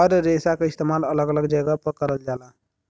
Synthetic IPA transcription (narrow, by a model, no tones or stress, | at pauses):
əɾɾesakaist̪emalələɡələɡd͡ʒəɡapəkəɾəld͡ʒala